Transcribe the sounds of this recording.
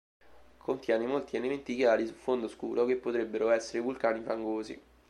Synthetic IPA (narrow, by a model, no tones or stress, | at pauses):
kʰont̪jɛːnemolt̪ielement̪ikjaːɾisufond̪oskuːɾʔokepːot̪ɾebːeɾoɛsːeɾevulkaːnifaŋɡoːzḭ